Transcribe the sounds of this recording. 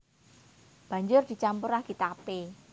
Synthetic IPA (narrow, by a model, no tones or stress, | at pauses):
b̥ä̤ɲd͡ʒʊrd̪̥i̤t͡ʃampʊɾaɡ̥it̪ape